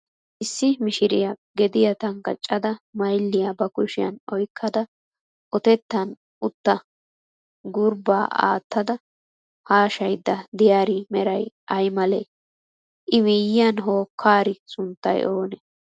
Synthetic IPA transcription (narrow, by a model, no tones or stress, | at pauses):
ʔɪsːɪmɪʃɪɾɪ̰jɐɡɛd̪ɪjɐt̪ɐŋkɐt͡ʃʼːɐd̪ɐmɐjlːɪjɐbɐkʊʃɪjɐ̰nɔjkʰːɐd̪ɐ | ʔɔt̪ɛt̪ːɐn | ʔʊt̪ːɐ | ɡʊɾba̰ːʔa̰ːt̪ːɐd̪ɐ | haːʃɐjd̪ːɐd̪ɪjaːɾɪmɛɾɐjʔɐjmɐle | ʔɪmɪjɪjɐnɦoːkʰːaːɾɪsʊnt̪ːɐ̰joːnɛ